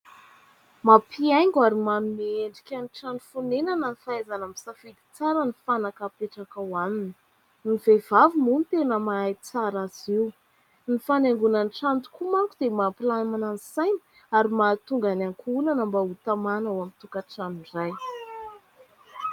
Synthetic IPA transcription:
mapʰiajŋɡaɾimanumieɳɖ͡ʐi̥kʲanʈ͡ʂanufunenanənifaazanamisafid̪i̥t͡saɾənifanakapeʈ͡ʂakawaninə | nivevavimunit̪enəmaajt͡saɾaziw | nifaneŋɡunanʈ͡ʂant̪u̥kumakud̪̥emapilanmanansajni̥ | aɾimat̪uŋɡanaŋkunanambaut̪amanawamit̪ukaʈ͡ʂaniraj

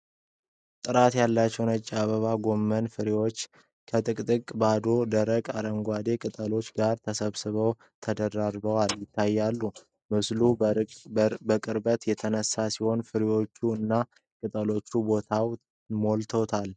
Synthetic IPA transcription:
t̪ʼɨɾat̪jalːat͡ʃːɛwnət͡ʃʼːaβəβaɡo̞mːənfɨɾiwo̞t͡ʃː | kʰət̪ʼɨkʼt̪ʼɨkʼbad̪o̞d̪əɾəkʼaɾəŋɡʷad̪e̞kʼɨt̪ʼəlo̞t͡ʃːɡaɾt̪ʰəsəβsɨβəw | t̪ʰəd̪əɾaɾbəwaljɪt̪ːajːalːu | mɨslu | bəkʼɨɾbət̪jɛt̪ʰənəsːasiho̞nfɨɾiwo̞t͡ʃːuɨnːa | kʼɨt̪ʼəlo̞t͡ʃːubo̞t̪ʰaw | molt̪ʰo̞t̪ʰal

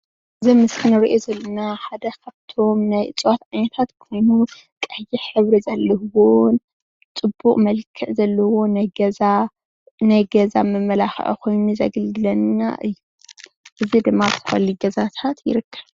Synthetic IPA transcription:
ʔɨzimɨskʰɨnɨɾiʔozɐlːɐnaħad̪ɐkʰaβt̪ʰo̞mnajʔɨt͡sʼwat̪anɐt̪ʰat̪kʰo̞jnu | kʼɐjiħɨβɾizɐlːɐhwon | t͡sʼɨbːuqʼmɐlkʰːɨʕzɐlːɐwo̞najɡɐza | najɡɐza̰mɨmːɐlaxʔkʰo̞jnuzɐ̰ɡɨld̪ɨlɐnːa̰ʔɨjːu | ʔɨzid̪ɨmːatʰɨ̥xɐ̰lːiɡɐzat̪ʰat̪jɪ̰ɾɨkʰːɐβ

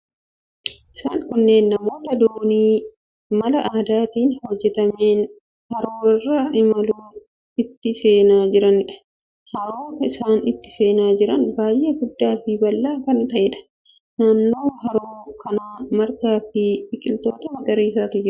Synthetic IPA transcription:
ʔɪsaːŋkʊnːe̞ːnːɐmo̞ːt̪ɐd̪oːniː | mɐlɐʔaːd̪aːt̪iːnhɔd͡ʒːɛt̪ɐme̞ːn | hɐɾoːɪrːɐʔɪmɐluː | ɪt̪ːɪse̞ːnaːd͡ʒɪɾɐnɪᶑɐ̥ | hɐɾoːkɐɪsaːnɪt̪ːɪ̥se̞ːnaːd͡ʒɪɾɐnbaːjʔe̞ːɡʊd̪ːaːfɪbɐlːaːkɐnt̪ɐʔɛᶑɐ̥ | naːnːo̞ːɦɐɾoːkɐnaːmɐɾkaːfɪbɪkʼɪlt̪o̞ːt̪ɐmɐd̪ɐɾiːs̬aːt̪ɪd͡ʒɪɾ

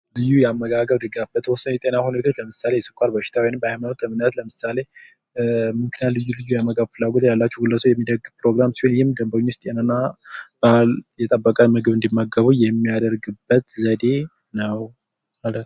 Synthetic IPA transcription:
lɨjːujɛamːəɡaɡəβd̪ɨɡabːət̪hosnjɛt̪ʼenahunet̪ʰot͡ʃləmɨsalejɛsɨkʷʼaɾbəʃɪ̥t̪ʰawinɨmbəajmanot̪ləmɨnat̪ləmɨsale̞ | mɨŋkʰɨnalɨjːulɨjːujamːəɡabfɨlːaɡot̪jalːat͡ʃːɛɡɨlːəsojɛmːid̪əɡɨpɾoɡɾamsi̥honjɪmd̪əmbəɲːwʊst̪ʼenanːab̥əljɛt̪ʼəbːəkʼanmɨɡɨβɨnd̪imːaɡəβujɛmːijad̪əɾɡɨbːət̪zəd̪e̞nəw | malət̪

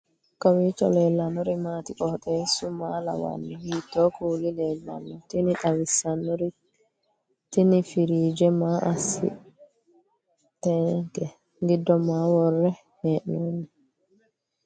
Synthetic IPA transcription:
kawit͡ʃɔ̰lɛlːanɔɾimatikɔɗɛsumala̰wa̰nːɔhitːɔkulilɛlːa̰nːɔtiniɗawisanːɔɾi | tinifiɾiːd͡ʒɛmaʔasḭ | tɛkɛ | ŋɡidːɔmawɔrːɛ | hɛnɔni

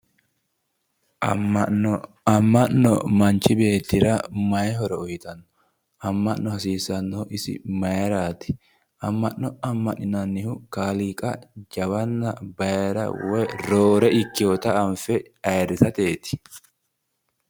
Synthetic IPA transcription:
ɐmːɐnːɔ̰mɐnt͡ʃɪbe̞ːt̪ːɪɾɐmɐjɦɔɾɛɔjɪt̪ɐnːʊ̥ | ʔɐmːɐʔnːɔhɐsiːsɐnːoʔɪsɪ̰mɐjɛɾaːt̪ɪ̥ | ʔɐmːɐnːɔɐmːɐʔɪnɐnːɪhʊkaːlikʼɐd͡ʒɐwɐnːɐbɐjɛɾɐ̰wɔjɾoːɾɛʔɪkːɪɔt̪ɐɐnfɛ | ɐjɾɪsɐt̪e̞ːt̪ɪ̥

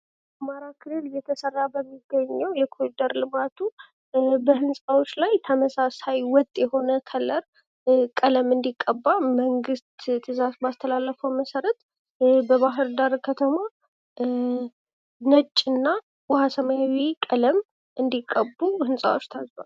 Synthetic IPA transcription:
amaɾakʰɨlɨljɛt̪ʰəsərːabəmːiɡːəɲːəwjɛkʰoid̪əɾlɨmat̪ʰu | bəhɨnsʼawot͡ʃːlajt̪ʰəməsasajwɔt̪ʼjɛho̞nəkʰələɾ | kʼələmɨnd̪ikʼːəbːaməŋɡɨst̪t̪ʰɨzasbast̪ʰəlalːəfəwməsəɾət̪ | bəβaɦɨɾd̪aɾkʰət̪ʰəma | nət͡ʃʼːɨnːa | wɔhasəmajawikʼələm | ʔɨnd̪ikʼːəbːuhɨnsʼa̰wot͡ʃːt̪ʰazba̰l

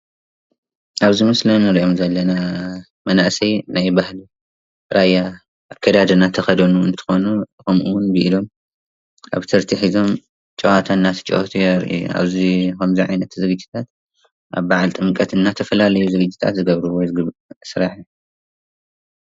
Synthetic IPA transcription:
ʔaβzimɨslɐnɨɾiʔo̞mzɐlːɐna | mɐnaʔsɐjnajbahli | ɾajːa | ʔakʰːɐd̪ad̪ɐnat̪ʰɐxɐd̪ɐnuɨ̰nt̪ʰɨ̥xo̞nukɐmuwnbɨʔilo̞m | a̰βt̪ʰɐɾt̪ʰiħizo̞m | t͡ʃʼɐwat̪ʰanːat̪ʰɨ̥t͡ʃʼʔot̪ʰujɛɾʔṵʔa̰βzikɐmziʕa̰jnɐt̪zɨɡɨd͡ʒːit̪ʰat̪ | ʔa̰βbaʕalt̪ʼɨmkʼɐt̪ɨnːat̪ʰɐfɐlalɐjuzɨɡɨd͡ʒːi̥t̪ʰa̰t̪zɨɡɐβɾuwɔjzɡɨsɨɾaħ

